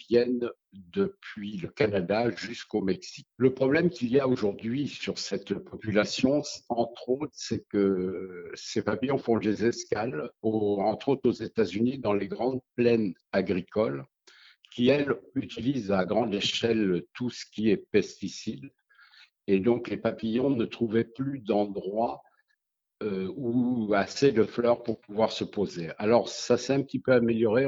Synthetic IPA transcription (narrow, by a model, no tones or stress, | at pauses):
vjɛn | d̪əpɥiləkanad̪aʒyskomɛksi̥k̚ləpχɔblɛmkʲiljaoʒuʁd̪ɥisyʁsɛt̪pɔpylasjɔ̃ɑ̃t̪χot̪χsɛkə | sefapijɔ̃fɔ̃lezɛskaloɑ̃t̪χot̪χozet̪azynid̪ɑ̃leɡʁɑ̃d̪̚plɛn | aɡʁikɔl | kʲiɛlyt̪ilizaɡʁɑ̃d̪eʃɛlt̪usə̥kʲiɛpɛst̪isid̪ | ed̪ɔ̃klepapijɔ̃nət̪χuvɛplyd̪ɑ̃d̪ʁwa | uased̪əflœʁpuʁpuvwaʁsəpozealɔʁsasɛt̪ɛ̃pət̪ipøameljɔʁe